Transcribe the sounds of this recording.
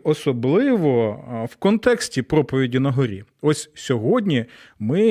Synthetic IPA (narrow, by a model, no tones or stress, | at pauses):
ɔsɔblˠɪʋɔwkɔnt̪ɛksʲtʲipɾɔpɔʋʲidʲinɐɦɔɾʲḭɔsʲsʲɔɦɔdʲnʲimɪ